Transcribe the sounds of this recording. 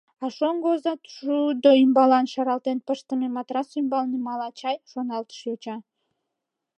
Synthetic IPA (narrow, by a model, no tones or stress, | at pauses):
ɑʃonɡozɑt̪ʃud̪oymbɑlɑnʃɑɾɑlˠt̪enpəʃt̪əmemɑt̪ɾɑsujmbɑlnimɑlɑt͡ɕɑjʃonɑlˠt̪ə̥ʃjot͡ɕɑ